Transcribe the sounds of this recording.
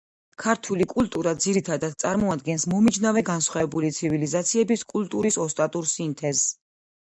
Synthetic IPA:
kʰaɾt̪ʰulikʼult̪ʼuɾad̪ziɾit̪ʰad̪ad̪̥̚t̪sʼaɾmɔad̪ɡɛnsmɔmid͡ʒnavɛɡansχwavɛbulit̪sʰivilizat̪sʰiɛbiskʼult̪ʼuɾisɔst̪ʼat̪ʼuɾsint̪ʰɛz

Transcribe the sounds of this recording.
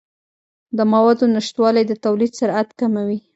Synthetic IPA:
d̪əmawɑd̪onɪʃt̪wɑlajd̪ət̪awlid̪saɾat̪kamawi

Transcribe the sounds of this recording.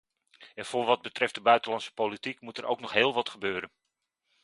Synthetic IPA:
ɛnfʊːɹʋɑd̚bətrɛftdəbœɥtəlɑntsə̥politikmutɛro̰wknɔχɦeːlˠʋɑtχəbøːɾən

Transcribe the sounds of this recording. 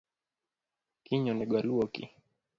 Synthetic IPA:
kiɲɔnɛɡwaluɔkḭ

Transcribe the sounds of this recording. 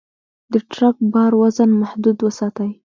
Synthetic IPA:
d̪əʈɾak̚bɑɾwazənmahd̪ud̪wəsɑt̪aj

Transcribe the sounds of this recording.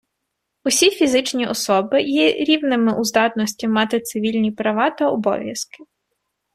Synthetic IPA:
usʲifʲizɪt͡ʃnʲiɔsɔbɪjiɾʲiwnɪmɪʔuzd̪ɑt̪nɔsʲtʲimːɑt̪ɪt̪sɪʋʲilʲnʲipɾɐʋɑt̪ɐɔbɔ̰ʋʲjɐskɪ

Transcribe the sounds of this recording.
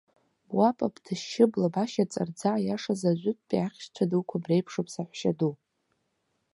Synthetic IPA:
bwapʼabʼdʰɨʃɪblabaʃat͡sʼa̰rd͡zaːjaʂazaʒʷʊtʼpʼaχʲʃt͡ɕʷʰadukʷʰabrejpʰʂopʰʼsaħʷʃadu

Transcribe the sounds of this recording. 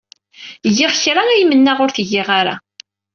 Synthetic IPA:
ʝɪʁçɾˤanæjmənːæʁʊɾθʝːɪʁaɾa̰

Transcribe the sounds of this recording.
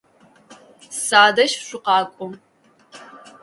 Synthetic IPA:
saːdɐʃɕʷʊqɑːkʷʼʊ

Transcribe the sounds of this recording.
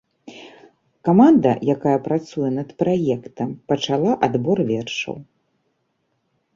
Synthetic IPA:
kamand̪ɐ̰jakajɐpɾat̪sujɛnɐt̪pɾajɛkt̪ɐmpɐt͡ʂalˠaʔad̪bɔrvʲɛrʂɐ̰w

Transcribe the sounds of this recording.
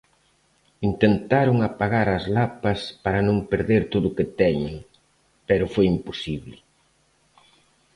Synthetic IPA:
int̪ent̪aɾʊŋapaɣaɾɐzlapɐspaɾɐnõŋpeɾðeɾt̪oðʊket̪ɛɲɪŋ | pɛɾʊfojimposiβlɪ

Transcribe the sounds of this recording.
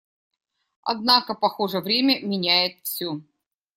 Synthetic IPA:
ɐ̰d̪̚nakəpɐxoʐəvɾʲemʲəmʲɪnʲæjɪt̪fsʲɵ

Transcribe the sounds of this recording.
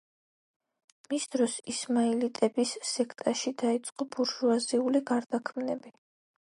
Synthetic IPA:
misd̪ɾɔsismailit̪ʼɛbisːɛkʰt̪ʼaʃid̪ait̪sʼqʼɔbuɾʒuaziuliɡaɾd̪akʰmnɛbi

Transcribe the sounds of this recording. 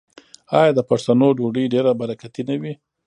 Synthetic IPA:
ɑjad̪əpaɾt̪anoɖoɖəjɖeɾabaɾakat̪inawi

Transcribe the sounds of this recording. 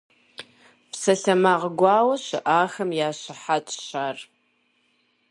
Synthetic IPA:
psɐɬɐmaːʁəɡʷɑːwɐɕɪ̰ʔaːxɐmjaːɕɪħatʰʼɕaːr

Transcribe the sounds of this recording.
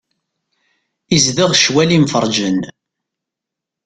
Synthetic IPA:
izðəʁʃwælimfəɾˤd͡ʒən

